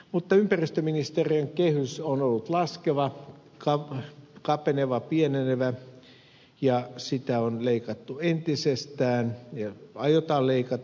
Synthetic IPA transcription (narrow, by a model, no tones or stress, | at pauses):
mut̪ːɑympærist̪øminist̪erieŋkehysonolːut̪lɑskeʋɑ | kɑkɑpeneʋɑpieneneʋæ | jɑsit̪æonleikɑt̪ːuent̪isest̪æːnjɑɑjot̪ɑːlleikɑt̪